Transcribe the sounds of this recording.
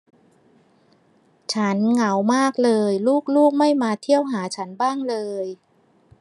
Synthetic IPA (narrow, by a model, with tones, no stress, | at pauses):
t͡ɕʰa˦˥nŋa˩˦wmaː˥˩k̚lɤː˧jluː˥˩k̚luː˥˩k̚ma˥˩jmaː˧t̪ʰi˥˩əwɦaː˩˦t͡ɕʰa˦˥nbaː˥˩ŋlɤː˧j